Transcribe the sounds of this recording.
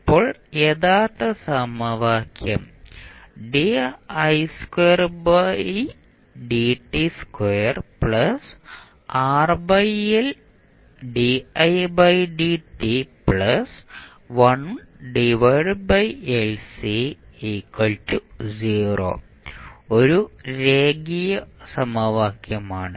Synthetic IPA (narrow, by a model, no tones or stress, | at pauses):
pːoːɭeðaːt̪ːɐsɐmɐʋaːkjɐm | ɖiɐjskwejɐrbɐj | ɖiʈːiskwejɐrpɭɐs | aːrbɐjel | ɖiɐjbɐjɖiʈːipɭɐs | ʋɐɳ | ɖiʋɐɖbɐjelsiekːwɐltuziːro̰ː | oɾuɾeːɡijɐsɐmɐʋaːkjɐmaːɳɨ